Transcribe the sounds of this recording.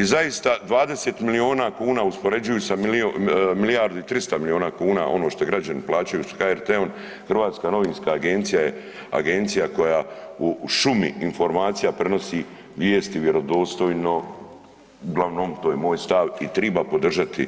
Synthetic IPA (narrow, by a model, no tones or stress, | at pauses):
izaist̪ad̪ʋaːd̪e̞seːt̪milio̞ːnakuːnaːuspo̞ɾe̞d͡ʒujusamilomilijaɾd̪uit̪ɾist̪amilio̞ːnaːkuːnaʔo̞noːʃt̪oɡɾad͡ʑaniplˠaːt͡ɕajusḁxaeɾt̪eon | xrʋaːt̪skano̞ʋiːnskaːɡe̞nt̪sijaje | a̰ɡe̞nt̪sijako̞jauʃumḭːnfo̞ɾmaːt̪sijapɾe̞no̞siː | ʋjeːst̪iʋjeɾo̞d̪oːst̪o̞jno̞ | uɡlˠaʋnomt̪oːjemoːjst̪aʋit̪ɾebapo̞d̪r̩ʒat̪ḭ